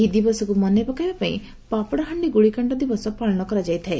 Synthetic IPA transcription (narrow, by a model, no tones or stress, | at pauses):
id̪ibɔsɔkumɔnepakaijbapaḭ̃ | papɔɽaɦaɳɖiɡuɭikaɳʈɔd̪ibɔsɔpaɭɔɽ̃ɔkɔɾad͡ʒajt̪ʰae